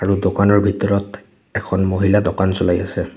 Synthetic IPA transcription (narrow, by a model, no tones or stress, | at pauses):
aɹudokanɔɹbʱitɔɹɔt | ɛkʰɔnmoɦiladɔkansɔlajasɛ